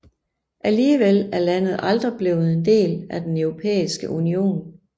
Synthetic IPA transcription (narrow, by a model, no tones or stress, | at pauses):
ʔæliːʋelæɐlæn̰ð̞̩ˠɑ̈ld̥ʁib̥le̝̰ːʊð̩ˠe̝nd̥e̝̰ːlæd̥enœʊʁo̝pʰḛːisɡ̥əʔunio̝̰ːn